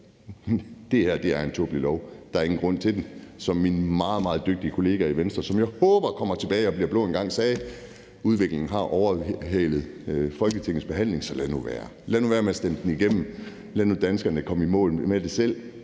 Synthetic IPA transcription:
d̥e̝hæɐ̰d̥e̝æɐe̝nt͡sʰo̰b̥lilɒʊd̥ɑ̈æɐe̝ŋn̩ɡʁɔ̽n̰t͡sʰe̝d̥nsɒ̽mːinmɑ̈ːð̩ˠmɑ̈ːð̞̩ˠd̥øɡ̥̚d̥iəkʰo̝le̝ːɡ̥æiʋensd̥ʁɐsɒ̽mjɑ̈ɪhɔ̽ːb̥ɐkʰɒ̽m̰ɐt͡sʰe̝b̥ɛːɪɒ̽bliɐb̥lo̰ːenɡ̥ɑ̈ŋ̰sɛː | uð̞ˠʋe̝ɡ̥le̝ŋn̩ɦɑ̈ʔɒʊɐɦeːlð̞̩ˠfɒ̽lɡ̥ət͡sʰeŋ̰n̩sb̥e̝ɦæn̰le̝ŋsɒ̽lænuʋæːɐ | lænuʋæːɐmeɐsd̥em̰d̥n̩iɡ̥em̰m̩ | lænud̥ænsɡ̥ɐnəkʰɒ̽m̰imɔ̰̽ːlmed̥e̝sel̰

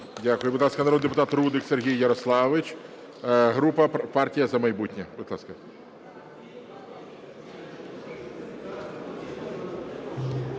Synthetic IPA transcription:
dʲakʊjʊbʊd̪lˠɑskɐnɐɾod̪d̪epʊt̪ɑt̪rud̪ɪkserɦʲijːɐɾɔslˠɑʋɪt͡ʃ | ɦɾupɐpɑrtʲijɐzɐmɐjbutʲnʲɛbʊd̪lˠɑ̰skɐ

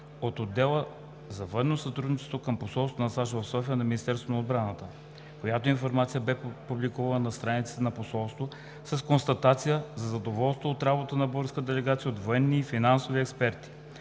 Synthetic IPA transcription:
ot̪od̪ːɛlˠə | zɐvɤnːosɐt̪ɾud̪nit͡ʃɛ̥st̪vokəmposɔlˠst̪vonɐsaʃovɐfsɔfijənɐminist̪ɛɾst̪vonɐod̪bɾanət̪ə | kojat̪oinfoɾmat̪sijəbɛpublikuvɐlnənɐst̪ɾanit̪sɛt̪ɛnɐposɔlˠst̪vo | sɐskonst̪ɐt̪at̪sijəzɐzɐd̪ovɔlˠst̪vəot̪ɾabot̪ənɐboɣɾskəd̪ɛlɛɡat̪sijəod̪voɛnːiːfinansoviɛkspɛɾt̪i̥

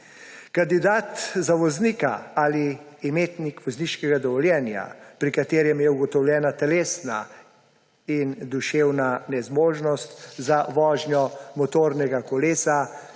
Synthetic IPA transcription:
kand̪id̪aːt̪zaʋɔzniːkaaliːmeːt̪nikʋɔzniːʃkɛɡad̪ɔʋɔljɛːnja̰pɾikat̪eːɾjɛmjɛuɡɔt̪ɔwljɛːnat̪ɛleːsna | ind̪uʃeːwnanɛzmoːʒnɔst̪zaʋɔːʒnjɔmɔt̪oːɾnɛɡakɔleːsa

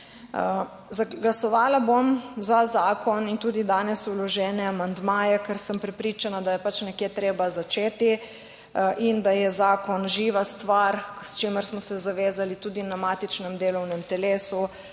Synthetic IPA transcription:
zaɡlasɔʋaːlabomzazaːkʰɔnint̪uːd̪id̪aːnɛsulɔʒɛːnɛamand̪maːjɛkəɾsəmpɾɛpɾiːt͡ʃanad̪ajɛpat͡ʃnɛkjeːt̪ɾeːbazat͡ʃeːt̪i | ʔind̪ajɛzaːkɔnʒiːʋast̪ʋaɾst͡ʃeːməɾsmɔsɛzaʋeːzalit̪uːd̪inamat̪it͡ʃnɛmd̪eːlɔwnɛmt̪ɛleːsu

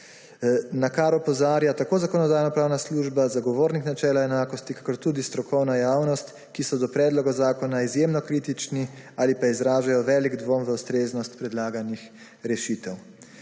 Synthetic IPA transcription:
nakaɾɔpɔzaːɾjat̪akoːzakɔnɔd̪aːjnɔpɾaːwnasluːʒbazaɡɔʋoːɾniknat͡ʃɛːlaɛnaːkɔst̪ikḁkɔɾt̪uːd̪ist̪ɾɔkʰɔwnajaːwnɔst̪ | kisɔd̪ɔpɾɛːd̪lɔɡazaːkɔnaizjemnɔkɾiːt̪it͡ʃniaːlipaizɾaːʒajɔʋɛːliɡd̪ʋomʋəust̪ɾeːznɔst̪pɾɛd̪laːɡanix | ɾɛʃiːt̪ɛw

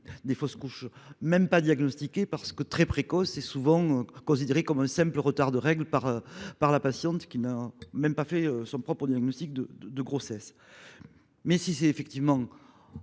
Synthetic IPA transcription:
d̪efɔskuʃmɛmpad̪jaɡnɔst̪ikʲepaʁsə̥kət̪χɛpχekɔsɛsuvɑ̃økɔ̃sid̪eʁekɔmɛ̃sɛ̃mpləʁət̪aʁd̪əʁɛɡlpaʁpaʁlapasjɑ̃t̪kʲinamɛmpafɛøsɔ̃pχɔpχəd̪jaɡnɔst̪ik̚d̪əəd̪əɡʁɔsɛs | mɛsisɛefɛk̚t̪ivəmɑ̃

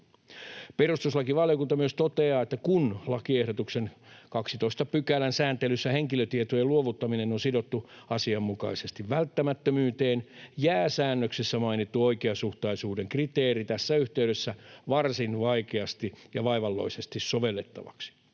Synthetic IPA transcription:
perust̪uslɑkiʋɑljokunt̪ɑmyøst̪ot̪eɑːet̪ːækunlɑkiehɾot̪uksenkɑksit̪oist̪ɑpykælænsæːnt̪elysːæheŋkiløt̪iet̪ojeluoʋut̪ːɑminenonsidot̪ːuɑsiɑmːukɑisest̪iʋʋælt̪ːæmæt̪ːømyːt̪eːnjæːsæːnːøksesːæmɑinit̪ːuo̞ikeɑsuht̪ɑisuːdeŋkrit̪eːɾit̪æsːæyht̪eyɥɾesːæʋɑrsinʋɑikeɑst̪ijɑʋɑiʋɑlːo̰isest̪issoʋelːet̪ːɑ̰ʋɑ̰ksi̥

